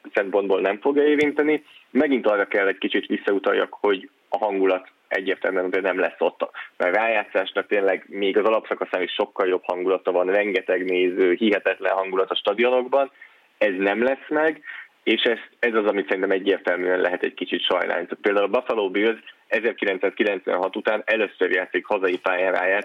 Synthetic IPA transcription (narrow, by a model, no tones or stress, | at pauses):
sɛmpo̞nd̪boːlnɛɱfo̞ɡjɒeːvint̪ɛnimɛɡint̪ɒrːɒkɛlːɛckit͡ʃit̪ʋisːɒut̪ɒjːɒ̰kho̞ɟ | ɒɦɒŋɡulɒt̪ | ɛ̰ɟːeːrt̪ɛ̰lmyɛnozeːnɛmlɛsːo̞t̪ːmɛrraːjaːt̪sːaːʃnɒk̚t̪eːnlɛɡmeːɡɒzɒlɒpsɒkɒsaːniʃʃo̞kːɒljo̞phɒŋɡulɒt̪ɒvɒnrɛŋɡɛt̪ɛɡneːzøːhiɦɛt̪ɛt̪lɛ̰nɦɒŋɡulɒt̪ɒʃt̪ɒd̪io̞no̞ɡbɒn | ɛznɛmlɛsmɛɡ | eːʃɛst̪ɛzɒzɒmit̪sɛɾint̪ɛmɛɟːeːrt̪ɛlmyːɛnlɛɦɛt̪ɛckit͡ʃit̪ʃɒ̰jna̰ːnit̪aːt̪̚peːld̪aːulbɒfɒloːbøzɛzɛrkilɛnt̪saːskilɛnt̪sʋɛ̰nɦɒt̪ut̪aːnɛløsørjaːt̪sikhɒzɒjipaːjanɾa̰ːjaːt̪